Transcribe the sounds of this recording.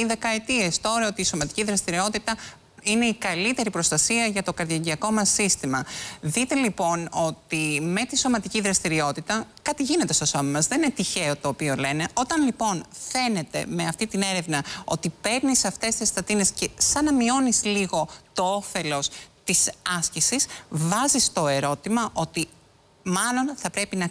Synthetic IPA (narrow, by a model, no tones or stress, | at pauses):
iðe̞kɐet̪ie̞st̪oɾɐot̪iːso̞mɐt̪i̥ciðɾɐst̪iɾio̞t̪it̪ɐ | ine̞ikɐlit̪e̞ɾipɾo̞st̪ɐsiɐʝɐt̪o̞kɐɾðjɐɲɟiɐko̞mɐsːist̪imɐðit̪e̞lipo̞no̞t̪ime̞t̪iso̞mɐt̪iciðɾɐst̪iɾio̞t̪it̪ɐkɐt̪iʝine̞t̪e̞st̪oso̞mɐmɐzðe̞ninet̪içe̞o̞t̪o̞ːpio̞le̞ne̞o̞t̪ɐnlipo̞nfe̞ne̞t̪e̞̰me̞ɐft̪it̪ine̞ɾe̞vnɐot̪ipe̞ɾnisɐft̪e̞st̪ist̪ɐt̪ine̞sce̞sɐnɐmio̞nisliɣo̞t̪o̞ofe̞lo̞st̪isɐscisisvɐzist̪o̞e̞ɾo̞t̪imɐʔo̞t̪i | mɐlo̞nθɐpɾe̞pinɐ